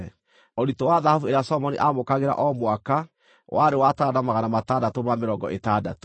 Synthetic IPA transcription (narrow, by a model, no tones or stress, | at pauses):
ɔɾitowaðahavueɾeasɔmɔnḭʔamokaɣeɾa̰ʔɔmwaka | wʔaɾewatadamaɣanamatadatomameɾɔŋɡɔ̰ʔetada̰to̥